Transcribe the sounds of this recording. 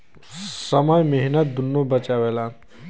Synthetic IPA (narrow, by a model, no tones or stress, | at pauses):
sʌmʌjmeɦinʌt̪̚d̪unːobʌt͡ʃawela